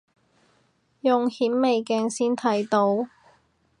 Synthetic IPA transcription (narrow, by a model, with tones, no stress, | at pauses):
jʊ˨˩ŋhiː˨˥mme˨jkɛː˧ŋsiː˥nt̪ʰɐ˨˥jt̪o˧˥w